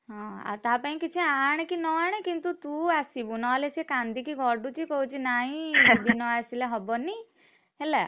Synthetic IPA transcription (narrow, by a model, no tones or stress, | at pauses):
ɦɔ̃a̰t̪apaĩkit͡ʃʰĩaːɽ̃kinɔaɽ̃ekint̪ut̪uasibunɔlesekand̪ikiɡʱɔɖut͡ʃikɔut͡ʃʰinaĩbid̪inɔasileɦɔbɔni | ɦela